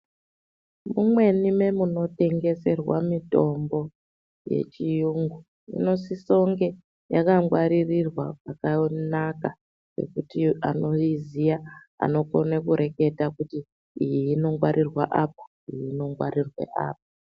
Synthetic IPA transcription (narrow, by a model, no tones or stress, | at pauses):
mumwe̞nime̞muno̞te̞ŋɡe̞se̞rwa̰mito̞mbo̞ | je̞̰t͡ʃijuŋɡu | ḭno̞siso̞ŋɡe̞ | jakaŋɡwaɾirirwapakanaka | re̞̰kutiano̞izija | a̰no̞ko̞nekuɾʔe̞ke̞takutiː | jiːno̞ŋɡwaɾʔirwaʔapḁ | ijino̞ŋɡwa̰ɾirwḛʔa̰ːp̚ḁ